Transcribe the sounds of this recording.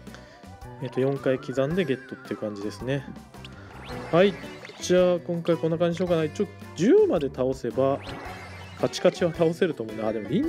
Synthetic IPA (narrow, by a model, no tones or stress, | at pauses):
eːt̪ːo̞jõ̞ŋkaikʲizãnd̪e̞ɡe̞t̪ːo̞t̪ːeiɯ̟kãɲ̟d͡ʑid̪e̞sɨne̞ | haid͡ʑaaːkõ̞ŋkaikõ̞nːak̬aɲd͡ʑiiɕokanait͡ɕoːd͡ʑɨːmad̪e̞t̪ao̞se̞ba | kʰat͡ɕi̥kat͡ɕiβat̪ao̞se̞ɾɯ̟t̪o̞ːmoɯ̃nd̪eaːd̪e̞mo̞mʲin